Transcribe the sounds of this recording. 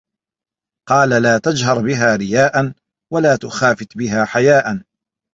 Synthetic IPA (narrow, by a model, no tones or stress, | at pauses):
qɑːlalaːt̪ad͡ʒɦɑɾˤbɪɦaːɾɪjaːʔan | walaːt̪ʊxaːfɪt̪bɪɦaːħajaːʔan